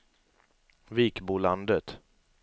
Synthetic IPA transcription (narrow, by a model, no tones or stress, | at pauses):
viːkbuːland̪ət̪